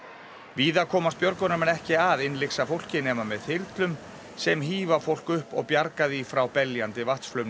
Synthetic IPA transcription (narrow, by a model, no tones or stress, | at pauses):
viːðakʰɔːmas̚pjœɾkʏnamɛnɛhcɪaðɪnlɪksafowl̥cɪnɛːmamɛðhɪɾt̪lʏm | sɛmɦiːvafowl̥kʏhpɔɣpjaɾkaðifɾawpɛljant̪ɪvaht̪sflœɥmnɪ